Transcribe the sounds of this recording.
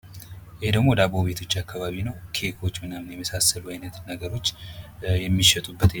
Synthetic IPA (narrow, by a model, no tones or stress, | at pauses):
jɪhed̪əɡmo̞d̪abo̞βe̞t̪ʰo̞t͡ʃːakʰːaβaβinəwkʰe̞kʰo̞t͡ʃːmɨnamnjɛməsasːəluajnət̪nəɡəɾo̞t͡ʃːjɛmːiʃɛt̪ʼubːət̪e